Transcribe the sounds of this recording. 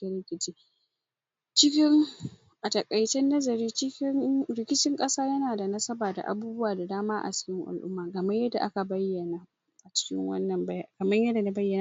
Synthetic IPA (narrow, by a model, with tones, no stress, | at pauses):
d̥ɐ˨ɽɪ˦kʲɪ˦t͡ʃiː˦ | t͡ʃɪ˦kʲɪ˦ŋ | ʔa˨tɐ˨kʼɐ˨jtɛ˦nːɐ˦zɐ˨ɾiː˦t͡ʃɪ˦kʲɪ˦ŋɾɪ˦kʲɪ˦t͡ʃɪ˦ŋkʼɐ˦saː˦jɐ˦naː˨da˨nɐ˦sɐ˦baː˨da̰˨ʔa̰˨buː˦bʊ˦waː˨da˨daː˦maː˦ʔa̰˨t͡ʃɪ̥˦kʲɪ˦ŋʔa̰˨lʔʊ̰˦mːaː˨ɡɐ˨mɐ˦jɐ˦da̰˨ʔa˦ka˨bɐ˦jːɐ˨naː˨ | ʔa˨t͡ʃɪ̥˦kʲɪ̰˦ŋwɐ̰˦nːɐ˨mbjkɐ˨mɐ˦ɲjɐ˦da˨na˦bɐ˦jːɐ˨na˦